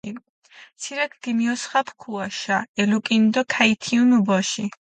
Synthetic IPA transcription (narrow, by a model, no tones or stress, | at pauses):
i | t̪sʰiɾɛkʰɡ̥imiɔsχapʰkʰuaʃaɛlukʼind̪ɔkʰait̪ʰiunubɔʃi